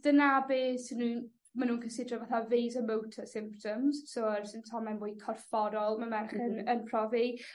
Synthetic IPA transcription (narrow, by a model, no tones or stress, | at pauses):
d̥ənabeːsnun | manuːnkʰənsɪdrɔvaθavejzəmowtʰəsɪ̃mp̚tʰɔmz̥soərsɪntʰɔmɛnboːjkʰɔrfɔɾɔlˠmamɛrχənənpʰrɔvi